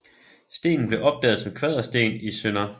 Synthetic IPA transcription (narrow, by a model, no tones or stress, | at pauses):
sd̥e̝̰ːnn̩b̥le̝ʔɒ̽b̥̚d̥ɛ̰ːðˠsɒmkʰʋɛð̞ˠɐsd̥e̝̰ːnisønɐ